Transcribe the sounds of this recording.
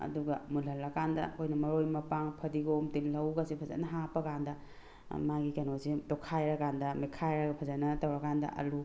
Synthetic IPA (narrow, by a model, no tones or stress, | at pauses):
ɐ̰duɡɐmulɦɐlːɐkandɐ̰kʰojnɐmɐɾojmɐpaŋpʰɐdiɡomtillɐwɡasipʰɐzɐ̰nɐɦapɐkandɐ | maɡikɐnozidɔkʰajɾɐkandɐmikʰajɾɐɡɐpʰɐzanɐtɐwɾɐkandɐ̰ʔɐ̰lu